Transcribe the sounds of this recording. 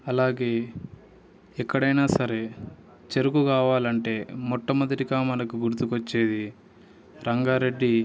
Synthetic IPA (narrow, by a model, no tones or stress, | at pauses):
ɐlaːɡe̞ː | ɛkːɐɽɐjnaːsɐɾe̞ | t͡ʃeɾukukaːʋaːlɐɳʈe̞ːmɔʈːɐmɐd̪ɐɾikaːmɐnɐkuɡuɾut̪ukot͡ʃːeːd̪i | ɾɐŋɡaːɾe̞ɖːi